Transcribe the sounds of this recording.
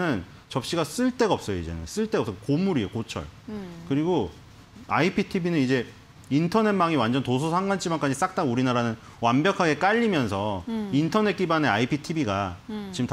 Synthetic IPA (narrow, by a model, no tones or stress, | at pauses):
ɯn | t͡ɕʌp̚ɕ͈iɡas͈ɯɭt͈e̞ɡaʌp̚s͈ʌjoḭd͡ʑe̞̰nɯ̰ns͈ɯɭt͈eɡʌps͈ʌkomuɾiekot͡ɕʰʌ̰ɭkɯɾiɡo | a̰ipʰitʰibinɯnid͡ʑe̞ | intʰʌne̞maŋiwand͡ʑʌntos̬ʰosʰaŋɡant͡ɕ͈ʰimank͈ad͡ʑis͈ak̚t͈auɾinaɾanɯn | wambjʌkʰaɡe̞k͈aʎːimjʌnsʰʌintʰʌne̞t̚k͈ibaneaipʰitʰibiɡat͡ɕimt